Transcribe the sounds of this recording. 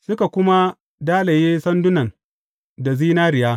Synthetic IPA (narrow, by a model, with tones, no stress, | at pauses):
sʊ˦ka˨kʷʊ˦ma˦ | daː˦la˨jeː˦sɐ˦ndʊ˦nɐ˨n | da˨ziː˦naː˦ɾɪ˨jaː˦